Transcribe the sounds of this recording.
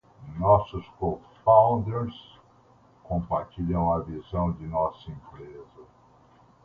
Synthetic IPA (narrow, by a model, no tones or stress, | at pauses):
nɔsʊskofãw̃nd̪eɾs | kõpaɾt͡ʃiʎɐ̃w̃ɐvizɐ̃w̃d͡ʒɪnɔsɐĩmpɾezɐ